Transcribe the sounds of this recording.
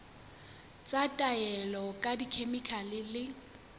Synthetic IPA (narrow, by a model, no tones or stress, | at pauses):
t͡sʼatʼaɛlɔkʼadikʰemikʰalɪlɪ